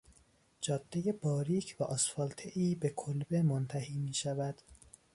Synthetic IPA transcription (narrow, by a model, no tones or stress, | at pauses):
d͡ʒɒːd̪̥ːeje̞bɒːɾiːcʰvæʔɒsfɒːlt̪ʰeʔiːbekʰolbemont̪ʰæhiːmiːʃævæd̪̥